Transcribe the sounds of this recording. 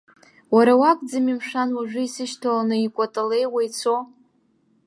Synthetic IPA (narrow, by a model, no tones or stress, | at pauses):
waɾawakʼd͡zamimʂanwaʒʷᶣɨisɨʃtʰalanɨikʷʼatʼale̞jwajt͡sʰo